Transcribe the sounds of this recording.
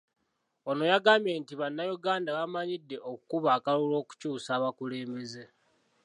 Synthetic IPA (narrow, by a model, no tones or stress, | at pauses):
o̞no̞jaɡamje̞ːntiβanːajuɡaːndaβamaɲidːe̞ʔokukuβaːkalulo̞ːku̥cuːsaːβakule̞ːmbe̞ze̞